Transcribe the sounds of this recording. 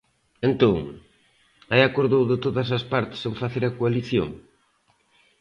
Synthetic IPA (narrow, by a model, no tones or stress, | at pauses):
ent̪oŋ | ajakoɾðowðɪt̪oðɐsɐspaɾt̪ɪ̥seɱfaθeɾɐkoaliθjo̰ŋ